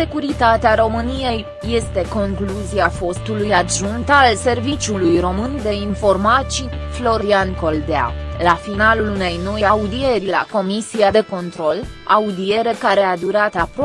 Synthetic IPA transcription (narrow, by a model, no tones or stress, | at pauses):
se̞kuɾit̪at̪eaɾo̞mɨnije̞jːe̞st̪e̞ko̞ŋkluziafo̞st̪ulujad̪ʒunt̪alse̞rvit͡ʃulujro̞mɨnd̪e̞info̞rmat͡ʃi | flo̞ɾianko̞ld̪ea̰lafinalulune̞jno̞jaud̪ie̞ɾila̰ko̞misiad̪e̞ko̞nt̪ɾo̞laud̪ie̞ɾe̞kaɾe̞ad̪uɾat̪ap